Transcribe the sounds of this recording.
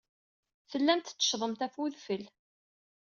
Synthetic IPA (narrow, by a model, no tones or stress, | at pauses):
θəlːænt̪t͡sːə̥ʃðˤəmt̪æfuðfəl